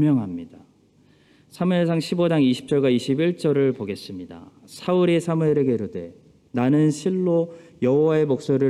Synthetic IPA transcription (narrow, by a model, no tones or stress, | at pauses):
mjʌŋɦamɲida | sʰamues̬ʰaŋɕʰibod͡ʑaŋiɕʰi̥p̚t͡ɕ͈ʌɭɡwaiɕʰibiɭt͡ɕ͈ʌɾɯɭpoɡe̞s͈ɯmɲida̰ | sʰauɾesʰamueɾeɡeɾode̞ | nanɯnɕʰiɭːojʌɦowae̞mok̚s͈oɾɯ